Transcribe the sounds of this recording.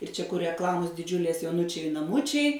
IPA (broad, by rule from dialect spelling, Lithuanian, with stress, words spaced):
ɪr t͡ʃʲɛ kʊr rʲɛkˈlˠɑːmoːs dʲɪˈd͡ʒʲʊlʲeːs joːˈʊnʊt͡ʃʲɛɪ nɐˈmʊt͡ʃʲɛɪ